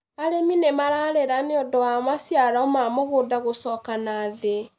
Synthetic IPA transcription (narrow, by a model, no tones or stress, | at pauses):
aɾeminemaɾaːɾeɾaneodɔwamasjaɾɔmamoɣoːdaɣosɔːkanaːðe